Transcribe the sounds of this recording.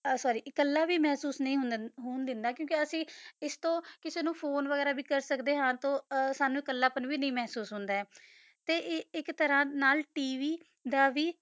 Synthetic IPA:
sɔːɾiːʔɪkəlːaːʋiːmɛːsuːsnĩːɦʊnɦʊːnd̪ɪnd̪aːkjõːkɪəsĩːɪst̪õːkɪseːnũːpʰoːnʋəɡɛːɾaːbiːkəɾsəkd̪eːɦãːt̪õːsaːnũːɪkəlːaːpənʋiːnəĩːmɛːɦsuːsɦʊnd̪aːɛː | t̪eːʔɪkt̪əɾãːnaːlʈiːʋiː | d̪aːʋiː

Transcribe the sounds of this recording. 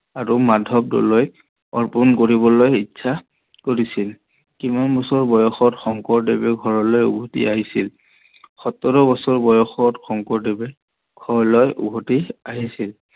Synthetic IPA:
aɹumadʱɔb̚dɔ̰loj | ɔɹpunkoɹibɔlojitːsʰa | koɹisil | kimanbɔsɔɹbɔjɔxɔtxɔŋkɔɹdebɛɡʱɔɹɔlɔjṵɡʱɔtḭʔaɦisil | xɔtɔɹɔbɔsɔɹbɔjɔxɔtxɔŋkɔɹdebɛ | ɡ̥ʱɔɹɔlɔjʔṵɡʱɔtiaɦisil

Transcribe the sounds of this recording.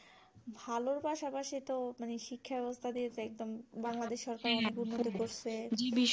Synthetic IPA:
bʱaloɾpaʃapaʃit̪omaneʃikʰːabɛbost̪ʰad̪ijet͡ɕʰeɛk̚d̪ombaŋlad̪eʃːɔɾkaɾɔnekunːot̪ikoɾt͡ɕʰed͡ʑibiʃ

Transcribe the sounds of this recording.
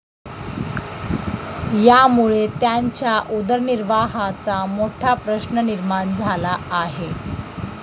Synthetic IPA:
jamuɭet̪jaɲt͡ɕjaʔud̪əɾniɾʋaɦat͡samoʈʰapɾəɕnəniɾmand͡zʱalaːɦe

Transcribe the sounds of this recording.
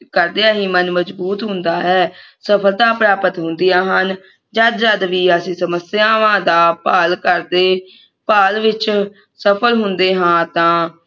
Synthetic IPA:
kəɾd̪eːaːɦiːmənməzbuːt̪ɦʊ̃nd̪aːɦɛːsəpʰəld̪aːpɾaːpət̪ɦʊ̃nd̪ɪjaːɦən | d͡ʒəd̪d͡ʒəd̪ʋiːəsĩːsəməsɪjãːʋãːd̪aːpaːlkəɾd̪eː | paːlʋɪt͡ʃ | səpʰəlɦʊnd̪eːɦãːt̪ãː

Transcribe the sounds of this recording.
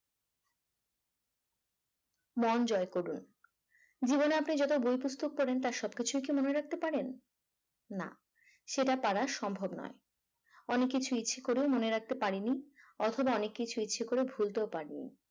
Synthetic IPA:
mɔnd͡ʑɔekoɽun | d͡ʑiboneapnid͡ʑɔt̪̬obojpust̪ʰok̚pɔɾent̪aɾʃɔb̚kit͡ɕʰuk̬imoneɾak̚t̪epaɾenː | a̰ | ʃeʈapaɽaɾʃɔmbʱobnɔ̰e | ɔnekːit͡ɕʰuitːɕʰekoɾeomoneɾak̚t̪epaɾiniɔt̪ʰobaɔnekːit͡ɕʰuitːɕʰekoɾebʱult̪eopaɾinḭ

